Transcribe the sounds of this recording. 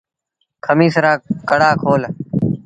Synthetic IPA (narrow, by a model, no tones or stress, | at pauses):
kʰəmiːsəɾaːkəɽaːkʰoːl